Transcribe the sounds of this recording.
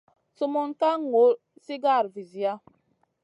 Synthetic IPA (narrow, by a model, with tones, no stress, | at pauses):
su˦mo˦nka˦ŋ˨o˨˦ | si˦ɡa˦˨ɾvi˨zi˨ja˦